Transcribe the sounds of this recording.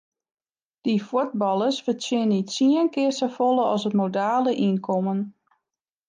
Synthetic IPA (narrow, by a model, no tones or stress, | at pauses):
d̥ifud̚bɑlˠəsfətɪnitsiənkɪəsəfolˠəɔsətmodaːləʔinkʰɔmən